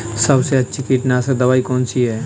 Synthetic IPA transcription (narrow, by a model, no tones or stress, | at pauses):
sɐbseɐtːʃʰikiʈnased̪ɐʋaːikɔːnsiɦɛː